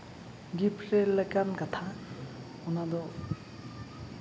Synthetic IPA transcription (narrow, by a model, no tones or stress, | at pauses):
ɡipʰɾeləkankat̪ʰa | unad̪ɔ